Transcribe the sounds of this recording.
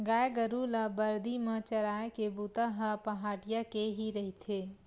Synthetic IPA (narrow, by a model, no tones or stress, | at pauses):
ɡaːjɡəɾulabəɾd̪imət͡ʃəɾaːekebut̪aɦəpɐɦaːɽijakeɦiɾəɦit̪ʰeː